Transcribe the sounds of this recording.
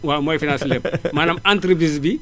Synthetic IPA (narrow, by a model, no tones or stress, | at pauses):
wamɔjfinãslɛbmanamãntɾibizbi